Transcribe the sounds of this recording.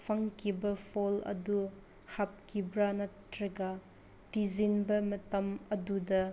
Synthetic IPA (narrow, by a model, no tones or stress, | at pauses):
pʰɐŋkibɐpʰolɐ̰du | hap̚kibɾanɐtːɾɐɡa | tizinbɐmɐtɐmɐdudɐ